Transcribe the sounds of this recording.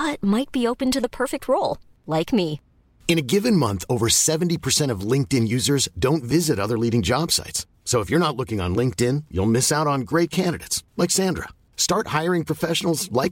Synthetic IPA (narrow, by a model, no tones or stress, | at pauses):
ʌt̚maɪt̚b̥ioʊpɨ̃n̩tɨðəpʰɜ˞fɪk̚t̚ʰɹoʊlˠ | laɪkmi | ɨ̃ñɨɡɪvɨ̃nmʌ̃nθoʊvə˞sɛvntipʰə˞sɛ̃ɾ̃ʌvlɪ̃ŋk̚tɪ̃njʉzə˞zdõʊ̃ntvɪzɨɾʌðə˞liɾɪ̃ŋd͡ʒɑb̥sa̰ɪtsː | oʊəfjə˞ñətˡlʊkɪ̃ŋə̰̃nlɪ̃ŋk̚tɪ̃njṵlˠmɪsaʊɾn̩ɡɹeɪt̚kʰæ̃ndɨɾeɪtslaɪksæ̃ndɹə̰ | stɑɹt̚haɪə˞ɪ̃ŋpʰɹ̥ɔfɛʃn̩l̩ˠzlaɪk